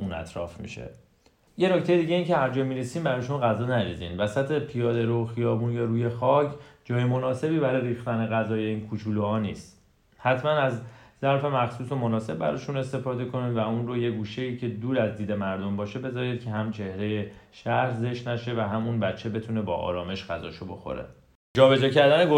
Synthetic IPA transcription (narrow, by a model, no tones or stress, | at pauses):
ʔuːnæ̰t̪ʰɾɒ̰ːfmḭʃḛ | je̞no̞cʰt̪ejed̪iːɟe̞iːncʰe̞hæɾd͡ʒɒːjmiɾesiːmbæɾɒːjeʃomɑɣæzɒːnæd͡ʒizḭːnvæsæt̪ʰe̞pʰijɒːd̪eɾoxijɒːbuːnjɒɾuːje̞xɒːcʰd͡ʒɒːjemonɒːse̞biːbæɾɒːjɾiːxt̪æne̞ɣæzɒːje̞iːnkʰut͡ʃʰuːluhɒːniːst̪ | hæt̪ʰmænæzzæɾfe̞mæxsuːso̞monɒːse̞b̚ːæɾɒːʃune̞st̪e̞fɒːd̪e̞kʰo̞nivæunroje̞ɡuːʃe̞iːcʰe̞d̪uːɾæzd̪iːd̪e̞mæɾd̪o̞mbɒːʃe̞be̞zɒːɾiːd̪̥̚cʰe̞ɦæmt͡ʃʰe̞hɾe̞jeʃæhɾze̞ʃtnæʃe̞væɦæmunbæt͡ʃʰːe̞be̞t̪ʰune̞bɒ̰ːʔɒ̰ːɾɒːme̞ʃɡæzɒ̰ːʃobo̞̰xo̰ɾḛ | d͡ʒɒːbe̞d͡ʒɒːcʰæɾd̪æneɡo